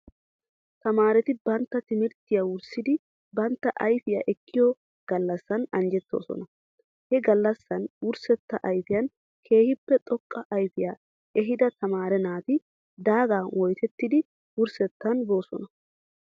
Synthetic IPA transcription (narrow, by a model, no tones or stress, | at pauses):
t̪ɐmaːɾɛt̪ɪbɐnt̪ːɐt̪ɪmɪɾt̪ːɪjawʊɾsɪd̪ɪ | bɐnt̪ːɐʔɐjfɪja̰ːʔɛkʰːɪjɔ | ɡ̥ɐlːɐsːɐnɐnd͡ʒɛt̪ːo̞̰ːsɔ̰nɐ | hɛɡɐlːɐsːɐnwʊɾsɛt̪ːɐʔɐjfɪjɐn | kʰe̞ːhɪpːɛt̪ʼɔkʼːɐʔɐjfɪjaː | ɛɦɪd̪ɐt̪ʰɐmaːɾɛnaːt̪ɪ | d̪aːɡaːwɔjt̪ɛt̪ːɪd̪ɪ | wʊɾsɛt̪ːɐnbo̞ːsɔ̰nɐ